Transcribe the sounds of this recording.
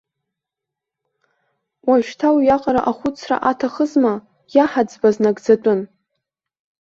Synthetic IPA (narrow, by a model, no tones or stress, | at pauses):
waʒᶣtʰawjaqʼaɾa̰ʔaχʷʊt͡sʰra̰ʔatʰaχəzma | jaħad͡zbaznaɡd͡zatʷʼʊn